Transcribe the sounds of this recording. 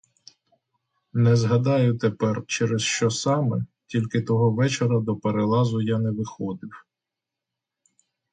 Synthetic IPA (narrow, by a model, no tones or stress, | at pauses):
nɛzɦɐd̪ɑjʊt̪epɛrt͡ʃɛɾesʃt͡ʃɔsɑmɛtʲilʲkɪt̪ɔɦɔʋɛt͡ʃeɾɐd̪ɔpeɾelˠɑzʊjanɛʋɪxɔd̪ɪw